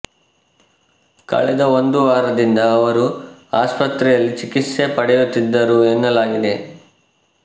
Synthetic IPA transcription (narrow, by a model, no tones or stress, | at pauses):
kɐ̰ɭɛd̪ɐo̞nd̪uʋaːɾɐd̪ind̪ɐːʋɐɾuaːspɐt̪ɾɛjɐlːit͡ʃikit̪se̞pɐɽɛjut̪ːid̪ːɐɾuenːɐlaːɡid̪e̞